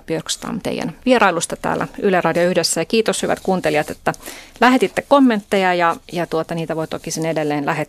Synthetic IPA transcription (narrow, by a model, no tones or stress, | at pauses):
piørkst̪ɑ̰mt̪ḛijæ̰nʋieɾɑilust̪ɑt̪æ̰ːlːæ̰ylerɑdioyhdesːæjɑkiːt̪oshyʋæ̰t̪kuːnt̪eliɑt̪et̪ːælæhet̪it̪ːekkomːent̪ːejɑjɑjɑt̪uot̪ɑniːt̪æʋoit̪okisinedelːeːnlæhe